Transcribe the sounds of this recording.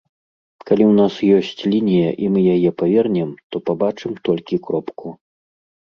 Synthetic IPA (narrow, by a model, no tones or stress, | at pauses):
kalʲiwn̪asjɔsʲt͡sʲlʲinʲijɐʔimɨjajɛpavʲɛrnʲɛmt̪ɔpabat͡ʂɨmt̪ɔlʲkʲikɾɔpku